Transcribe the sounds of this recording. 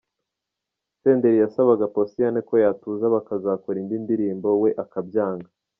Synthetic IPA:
se̞ːnde̞ɾijasaβaɡaposijaneko̞jaːtuːzaβakazaːkoɾindindiɾiːmbo̞we̞ʔakabjaːŋɡa

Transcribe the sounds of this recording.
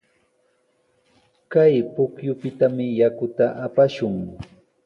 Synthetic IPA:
kajpʊkjʊpɪt̪amɪjakʊt̪aʔapaʃʊŋ

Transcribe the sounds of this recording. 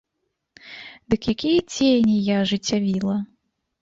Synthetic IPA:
d̪ɨkjakʲijɐt͡sʲejnʲijaʐɨt͡sʲːavʲilˠɐ

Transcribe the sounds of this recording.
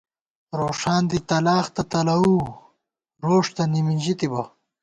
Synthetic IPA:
ɾoːʂaːnd̪it̪ɐlaːxt̪ɐt̪ɐlɐwu | ɾoːʂt̪ɐniminʲʑit̪ibɐ

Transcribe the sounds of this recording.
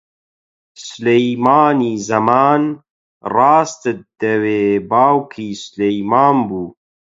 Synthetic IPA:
sʊlejmaːniːzɐmaːn | rɑːst̪ɨt̪̚d̪̥ɐweːbaːwkʰiːsʊlejmaːnbuː

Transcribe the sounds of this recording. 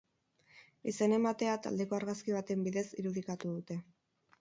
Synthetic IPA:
ise̞ne̞mat̪e̞at̪a̰ld̪e̞ko̞aɾɣaskiβ̞at̪e̞mbiðe̞siɾuðikat̪uðut̪e̞

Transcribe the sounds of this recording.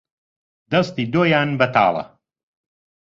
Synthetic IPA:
d̪ɐst̪iːd̪oːjaːnbɐt̪ʰɑ̰ːlˠɐ̰

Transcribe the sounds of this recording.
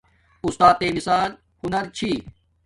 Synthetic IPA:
ust̪aːt̪ːeːmisaːl | hunɐɾt͡ɕʰiː

